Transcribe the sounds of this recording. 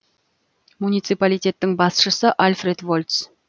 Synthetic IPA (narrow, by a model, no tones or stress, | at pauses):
munijt̪sɨjpalijt̪ʲe̞t̪ːɪŋbɑsʃəsəʔalʲfɾe̞d̪vo̞lʲt̪s